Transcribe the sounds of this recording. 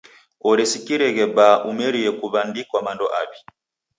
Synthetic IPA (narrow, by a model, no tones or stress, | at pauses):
ɔɾɛsikiɾɛɣɛbaʔumɛɾijɛkuβandikwamandɔʔaβi